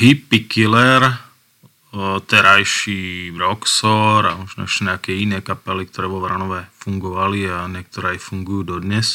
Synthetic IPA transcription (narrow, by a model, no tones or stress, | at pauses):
ɦipːikilɛɾ | t̪ɛɾajʃiʋɾɔksɔɾamɔʒnɔ̰ɛʃcɛɲɛakɛːinɛːkapɛlik̚t̪ɔɾɛːʋɔʋɾanɔʋɛfuŋɡɔʋaliaɲɛk̚t̪ɔɾɛːajfuŋɡujuːd̪ɔd̪ɲɛs